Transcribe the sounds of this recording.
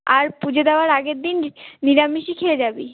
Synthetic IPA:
aɾpud͡ʑʱed̪ɛoaɾaɡeɾd̪inːiɾamiʃikʰeled͡ʑabi

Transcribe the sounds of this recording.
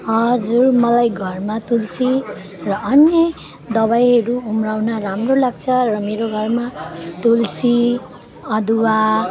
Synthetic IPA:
ɦʌd͡zurmʌlajɡʱʌrmat̪ulsi | rʌʌnjʌ | d̪ʌβajɦʌɾuumrawnʌramrolaɡ̚t͡sʰʌrʌmeɾoɡʱʌrmat̪ulsi | ʌd̪uwa

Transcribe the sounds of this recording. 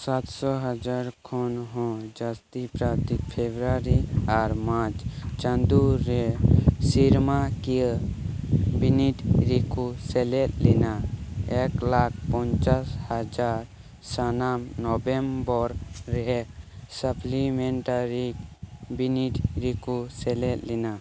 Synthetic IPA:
sat̪sɔɦəd͡ʒaɾkʰɔnɦɔ̃d͡ʒast̪ipɾat̪ikpʰebɾaɾiaɾmãt͡ʃt͡ʃənd̪uɾesiɾmaki | biniʈɾikusɛlɛt̪linaeklak̚ʰpɔɲt͡ʃashad͡ʒaɾ | sanamnɔbɛmbɔɾːɛsəplimɛɳʈaɾikbiniʈɾikusɛlɛt̪lina

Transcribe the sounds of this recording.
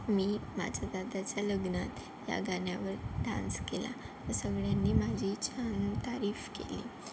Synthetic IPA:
miːma̰d͡ʑʱad̪ad̪at͡ɕjaləɡnat̪ | ja̰ɡanjaʋəɾɖã̰nskela̰ | t̪əsəɡɭjanːiːmad͡ʑʱiːt͡ɕant̪aɾiːfkḛlḭː

